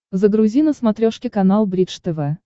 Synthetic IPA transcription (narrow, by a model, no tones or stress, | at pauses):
zəɡɾʊzʲinəsmɐt̪ɾʲoʂkʲɪkɐnalˠbɾʲit͡ʂt̪ɛvɛ